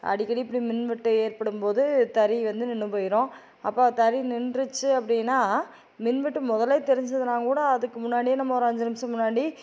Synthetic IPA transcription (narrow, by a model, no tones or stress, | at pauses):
ʔɐ̰ɽɪkːɐɽipːɐɽimɪnʋɪʈːɯeːɾpɐɽɯmpoːðɯt̪ɐɾiʋɐnd̪ɯnɪɳːɯpoːjɪɾõː | ɐpːoːt̪ɐɾinɪnrɯt͡ʃːɯɐpːɐɽɪjnːaː | mɪnʋɪʈːɯmɔðɐleːt̪ɛɾɪɲd͡ʒɐðɯnaːŋɡɐkuːɽɐːðɯkːɯmʊnːaːɽijeːnɐmːɐɔɾɐɐɲd͡ʒɐnɐmsɐ̃mʊnːaːɽi